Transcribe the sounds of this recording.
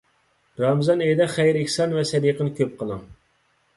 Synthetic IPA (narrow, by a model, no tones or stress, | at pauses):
ɾɑmɨzɑnejd̪ɛχæjɾɪkʲsɑnvɛsɛd̪iqənɨkʲʰøp̚qʰəlˠɑŋ